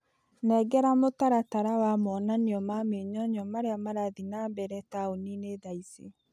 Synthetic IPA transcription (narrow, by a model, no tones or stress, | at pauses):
nɛɡɛɾamotaɾataɾawamɔːnaniɔmameɲɔɲɔmaɾeamaɾaðinambɛɾɛtaonineðaise